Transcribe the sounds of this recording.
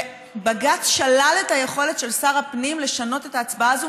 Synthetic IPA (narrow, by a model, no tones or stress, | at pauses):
baɡatʃalale̞taje̞χo̞le̞t̪ʃe̞lsaʁapnimle̞ʃano̞te̞taːt͡sbaazo